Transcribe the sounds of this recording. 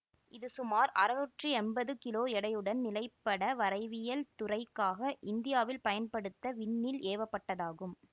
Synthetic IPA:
ɪðɯsʊmaːɾɐɾɐʋɐʈrɯɛnbɐðɯkɪloːɛɽɐjɯɽɐnnɪlɐɪpːɐɽɐʋɐɾɐɪʋɪjɐlt̪ʊrɐɪkːaːɣɐʔɪnd̪ɪjaːʋɪlpɐjɐnpɐɽɯt̪ːɐʋɪɳːɪlʔeːʋɐpːɐʈːɐðaːɣɯm

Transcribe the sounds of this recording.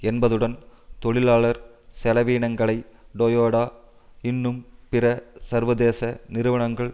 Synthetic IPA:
ɛnbɐðɯɽɐnt̪ɔɭɪlaːɭɐɾsɛlɐʋiːɳɐŋɡɐɭɐɪɖojoːɽaː | ɪnːɯmpɪɾɐsɐɾʋɐðeːsɐnɪɾɯʋɐɳɐŋɡɐɭ

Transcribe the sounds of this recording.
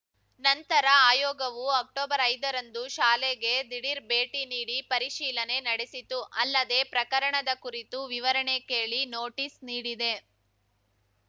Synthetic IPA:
nɐnt̪ɐɾɐaːjɔːɡɐʋuɐk̚ʈoːbɐɾɐjd̪ɐɾɐnd̪uʃaːleɡe̞d̪iɽiɾbeːʈiniːɽipɐɾiʃiːlɐne̞nɐɽesit̪uʔɐlːɐd̪e̞ːpɾɐkɐɾɐɳɐd̪ɐkuɾit̪uʋiʋɐɾɐɳe̞keːɭinoːʈiːsniːɽid̪e̞

